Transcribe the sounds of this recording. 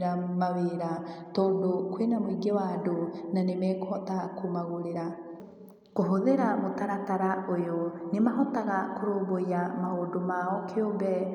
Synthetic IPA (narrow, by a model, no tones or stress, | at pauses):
ɾamaweɾatoːndokwenamwiɡewaːndonanemɛkohɔtakomaɣoɾeɾa | koɦoðeɾamotaɾataɾaojonemaɦɔtaɣakoɾoːboiamahoːndomaɔkʰjombɛ